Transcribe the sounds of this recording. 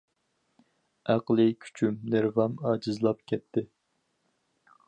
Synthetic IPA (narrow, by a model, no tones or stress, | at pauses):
æqlˠɨkʲʰy̥t͡ʃʰymnɪɾvɑmɑːd͡ʒɨzlˠɑp̚kʲʰɛt̪ʰːɪ